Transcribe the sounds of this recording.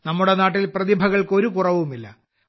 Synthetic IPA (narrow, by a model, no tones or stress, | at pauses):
nɐmːuɽe̞naːʈːilprɐðibʱɐɣɐɭko̞ɾukurɐʋumilːɐ